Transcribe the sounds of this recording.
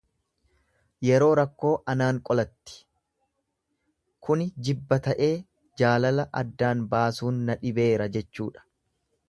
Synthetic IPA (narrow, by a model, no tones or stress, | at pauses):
jɛɾo̞ːɾɐkːo̞ːʔɐnaːŋkʼɔlɐt̪ːɪ̥ | kʰʊnɪd͡ʒɪbːɐt̪ɐʔe̞ː | d͡ʒaːlɐlɐʔɐd̪ːaːnbaːsuːnːɐᶑɪbe̞ːɾɐd͡ʒɛt͡ʃːṵːᶑɐ̥